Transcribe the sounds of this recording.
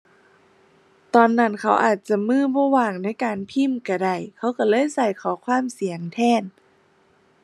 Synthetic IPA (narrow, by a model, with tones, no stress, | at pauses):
t̪ɔː˨˧nːa˧˩˨nkʰa˧˩wʔaː˨˩t̪̚t͡ɕa˧˩mɯː˧˥˩bɔː˧˦waː˧˩ŋna˧˥˨jkaː˨npʰi˧˥˨mka˧˩da˧˩jkʰa˧˥˨wka˧˩lɤː˧˥˨jsa˧˩jkʰɔː˨˧˦kʰwaː˧˥˨msi˨˦əŋt̪ʰɛː˧˥˩n